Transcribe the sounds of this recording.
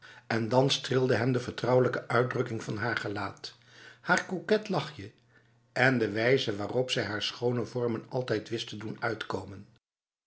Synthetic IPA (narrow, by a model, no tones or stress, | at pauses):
ʔɛndɑnstrɪlˠdəɦɛmdəvəɹtrʌwələkəʔœɥdrɵkɪŋvɑnɦaːɹχəlaːt | haːɹkukɛtlɑχjə | ʔɛndəʋɛjzəʋaːrɔpsɛjɦaːɹsχownəvɔɹmənɑlˠtɛjtʋɪstədunœɥtkowmən